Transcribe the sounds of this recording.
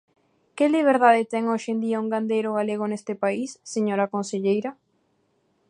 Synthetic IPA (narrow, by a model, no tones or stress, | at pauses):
keliβ̞eɾðaðet̪ɛŋoʃend̪iauŋɡand̪ejɾoɣaleɣonest̪ɪpaisːeɲoɾakõnseʎejɾa